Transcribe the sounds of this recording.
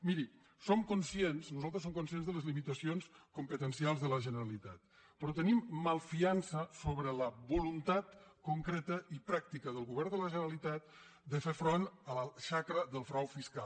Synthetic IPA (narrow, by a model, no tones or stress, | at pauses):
miɾi | somkunsiensnuzalˠt̪ɾəs̬omkuns̬ienzðələzlimit̪əsionskumpət̪ənsialˠzðələʒənəɾəlit̪at̪̚ | pɾɔt̪ənimːəlˠfiansəsoβɾələβulunt̪at̪kuŋkɾet̪əipɾak̚t̪ikəðəlˠɣuβɛɾnd̪ələʒənəɾalit̪at̪̚ | d̪əfefɾonələʃakɾəðəlˠfɾawfiskalˠ